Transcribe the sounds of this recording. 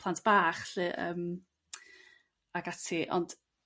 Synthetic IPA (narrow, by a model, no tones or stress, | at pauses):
lˠantʰb̥aːχɬɨʔəːm | aɡatʰiʔɔ̰nd̥